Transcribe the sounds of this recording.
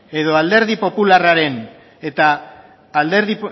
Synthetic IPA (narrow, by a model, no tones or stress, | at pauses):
e̞ðo̞ald̪e̞ɾðipo̞pularaɾe̞n | e̞t̪aː | ld̪e̞ɾði